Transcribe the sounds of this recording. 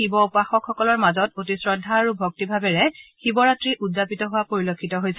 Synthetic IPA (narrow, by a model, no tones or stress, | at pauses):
ibɔupaxɔkʰːɔkɔlɔɹmazɔtotisɹɔdʱːaːɹubʱok̚tibʱabɛɹɛxibɔɹatɹiʔudzapitɔɦʊwapoɹilokʰːitɔɦojs